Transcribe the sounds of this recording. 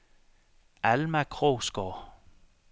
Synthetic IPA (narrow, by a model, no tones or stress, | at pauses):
ʔælmækʰʁoːsɡ̥ɔ